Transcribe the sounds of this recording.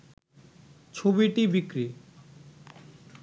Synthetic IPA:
t͡ɕʰobiʈibikɾi

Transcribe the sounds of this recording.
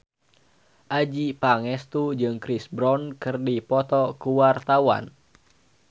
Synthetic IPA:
ʔad͡ʒipaŋɛst̪ud͡ʒɨŋkɾisbɾɔnkɨrdipɔt̪ɔkuwart̪awa̰n

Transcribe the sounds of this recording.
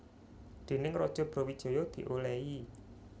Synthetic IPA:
d̪̥e̤nɪŋrɔd̥ʒ̥ɔ̤b̥ɾɔ̤wid̥ʒ̥o̤jɔd̪̥i̤ʔolɛi

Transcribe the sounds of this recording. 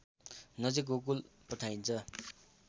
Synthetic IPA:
nʌd͡zik̬ok̬ulpʌʈʰajnt͡sʰʌ

